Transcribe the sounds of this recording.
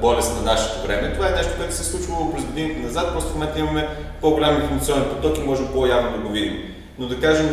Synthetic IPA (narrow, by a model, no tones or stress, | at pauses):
bɔlʲɛst̪nɐnaʃɛ̥t̪ovɾɛmɛt̪ovaɛnɛʃt̪o̥koɛt̪ʊ̥sɛslˠut͡ʃvəlˠoklɛzɡod̪init̪ɛnɐzat̪̚pɾɔst̪momɛnt̪əimɐmɛ | poɡolʲaminfoɾmɐt̪sʲiɔnɛnpot̪ɔkimɔʒɛmbˠojavnod̪ɐɡovid̪ḭm | nod̪ɐkaʒɛm